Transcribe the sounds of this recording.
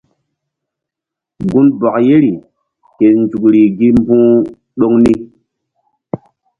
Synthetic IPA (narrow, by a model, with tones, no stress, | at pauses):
ɡu˦nbɔ˨kje˦ɾi˨ | ke˨n˨d͡ʒu˨kɾi˨ɡi˦m˦bũː˦ | ɗo˦ŋni˦